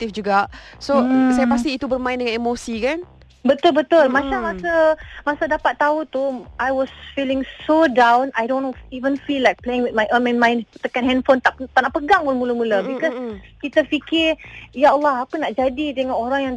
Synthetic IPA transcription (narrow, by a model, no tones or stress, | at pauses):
t̪ifd͡ʒuɡaʔsosajapas̬t̪iːt̪ubərmãɪ̃ndəŋãnemosikan | bət̪ʊlbət̪ʊlmat͡ʃamasəmasadapat̪ːaut̪uʔajwɔsfilɪ̃ŋsodãwnajdõnivə̃nfilajk̚pleɪ̃ŋwit̪̚majʔõnmɛ̃nmãj̃nt̪əkanɦɛ̃ndfont̪aʔt̪aʔnaʔpəɡaŋolmuləmuləbikɔskit̪əfikɪjaalːɑɦapənaʔd͡ʒadidəŋãnoɾaŋjãŋ